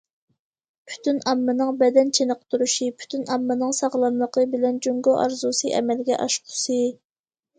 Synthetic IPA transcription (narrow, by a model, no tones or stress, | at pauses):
pʰy̥t̪ynɑmːɨnɨŋbɛd̪ɛnt͡ʃʰenəqt̪ʰuɾuʃipʰy̥t̪ʰynɑmːɨnɨŋsɑʁlˠɑnlˠəqʰəbɪlɛnd͡ʒoŋɡoʔɑ̰ɾzusɨʔɛ̰mɛlɡʲɛ̰ʔɑʃqʰʊ̥sɨ